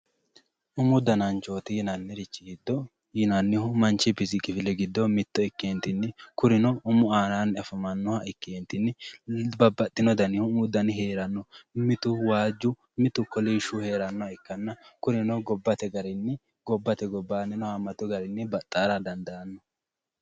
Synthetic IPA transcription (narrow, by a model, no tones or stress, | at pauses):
ʔʊmʊd̪ɐnɐnt͡ʃo̞ːt̪ɪjɪnɐnːɪɾɪt͡ʃːɪɡɪd̪ːɔ | jɪnɐnːɪhʊmɐnt͡ʃːɪpɪsɪkʼɪfɪlɛɡɪd̪ːɔmɪt̪ːɔɪkːeːnt̪ɪnːɪkʊɾɪnɔʊmʊaːnaːnɐfɐmɐnːɔhɐɪkːeːnt̪ɪnːɪbɐbːɐt̪ʼːɪnɔd̪ɐnɪhʊmmʊd̪ɐnɪhe̞ːɾɐnːɔmɪt̪ʊwaːd͡ʒːʊ | mɪt̪ʊkɔliʃʊhe̞ːɾɐnːɔhɐɪkːɐnːɐkʊɾɪnɔɡɔbːɐt̪ɛɡɐɾɪnːɪ | ɡɔbːɐt̪ɛɡɔbːaːnɛnɔhɐmɐt̪ːɔɡɐɾɪnːɪbɐt̪ʼːaːɾɐd̪ɐnd̪ɐɐnːɔ̥